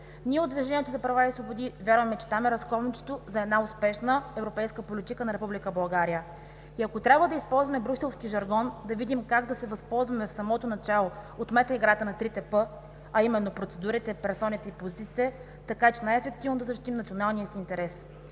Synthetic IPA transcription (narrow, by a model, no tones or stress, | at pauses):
nʲiɛod̪viʒɛnʲiɛt̪ozɐpɾɐvaisvobod̪ivʲjaɾvɐmɛt͡ʃɛ̥t̪amɛɾɐskɔlˠnit͡ʃɛ̥t̪ozɐɛd̪naʊspɛʃnəɛvɾopɛjskəpolit̪ikənɐɾɛpublikəbɐlˠɡaɾijə | iɐkot̪ɾʲabvəd̪ɐispɔlˠzvɐmɛbɾuksɛlˠfskiʒɐɾɡɔnd̪ɐvid̪imkaɡd̪ɐsɛvɐspɔlˠzvɐmɛfsɐmɔt̪onɐt͡ʃalˠoot̪mɛt̪əiɡɾat̪ənɐt̪ɾit̪ɛpɤ | ɐimɛnːopɾot̪sɛd̪uɾit̪ɛpɛɾsɔnit̪ɛipozit̪it̪ɛ | t̪ɐkat͡ʃɛnajɛfɛk̚t̪ivnod̪ɐzɐʃt̪it̪imnt̪sionalˠnijəsiːnt̪ɛɾɛs